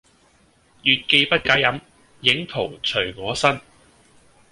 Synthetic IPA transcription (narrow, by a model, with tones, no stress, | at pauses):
jyː˨t̚ke˧jpɐ˥t̚kaː˨˥jɐ˨˥m | jɪ˨˥ŋt̪ʰo˨˩wt͡ʃʰɵ˨˩ɥŋɔː˨˧˥sɐ˥n